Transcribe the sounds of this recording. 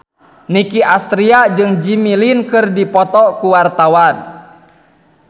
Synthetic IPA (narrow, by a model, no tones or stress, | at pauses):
nikiʔast̪ɾiad͡ʒɨŋd͡ʒimilinkɨrdipɔt̪ɔkuwart̪awan